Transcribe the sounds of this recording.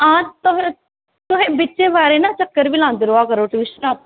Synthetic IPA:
ãːt̪ʊɦẽ | t̪ʊɦẽbit͡ʃebaːɾenat͡ʃɐkːəɾbilãːnd̪ɾoakəɾoʈiʋɪʃnap̚

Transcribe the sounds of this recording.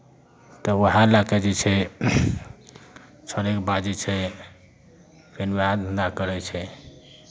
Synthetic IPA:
t̪ɔoɦãlakɛd͡ʒɛt͡ʃʰɛ | t͡ʃʰəɾekbad͡ʒit͡ʃʰɛ | pʰineɦãd̪ʱənd̪akəɾɛt͡ʃʰɛ

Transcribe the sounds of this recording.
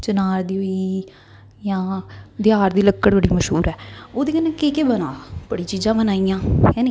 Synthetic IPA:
t͡ʃənaːɾd̪iːoiː | jãːd̪ɪaːɾd̪iːləkːəɽbəɽiːməʃɦuːɾɛːoːd̪iːkəneːkeːkeːbənaːpəɽiːt͡ʃiːzãːbənaːiːjãːkɛːni

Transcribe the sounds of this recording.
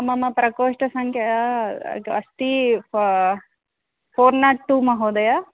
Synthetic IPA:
ɐmɐmɐpɾɐkoːʃʈɐsɐŋkɐja̰ | ɐ̰st̪i | foːɾnaʈʈːumɐɦoːd̪ɐja

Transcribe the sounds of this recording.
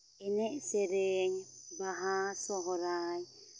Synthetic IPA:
ɛnɛsɛɾɛŋbaɦasɔɦɔɾaj

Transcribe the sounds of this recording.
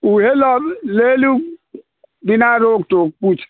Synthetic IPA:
uhelɔblelu | dinaɾoktok̚put͡ʃ

